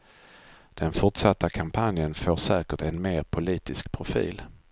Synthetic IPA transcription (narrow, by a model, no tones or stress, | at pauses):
d̪̥ɛnfʊʈʂat̪ːakʰampʰanjənfoːʂɛːkəʈɛnmeːɾpʰʊliːt̪ɪskpʰɾʊfḭːl